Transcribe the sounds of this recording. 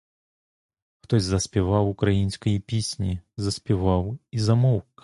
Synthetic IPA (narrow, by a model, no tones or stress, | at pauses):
xt̪ɔzʲzɐsʲpʲɛvawukɾajinʲsʲkɐjipʲisʲnʲizɐsʲpʲivawizɐmɔwk